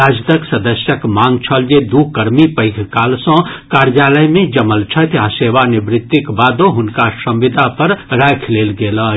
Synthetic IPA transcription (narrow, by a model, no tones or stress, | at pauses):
aːd͡ʒt̪əksɐd̪əsjəkmaːŋɡt͡ʃʰɐld͡ʒed̪uːkɐɾmipəɪkʰkaːlsɔ̃kaːɾd͡ʒaːləjmẽd͡ʒɐməlt͡ʃʰɐt̪aseːʋanɪbɾɪt̪ːɪkbaːd̪õɦʊnkaʃɐ̃mʋɪd̪ʱapɐɾɾaːjkʰleːlɡeːla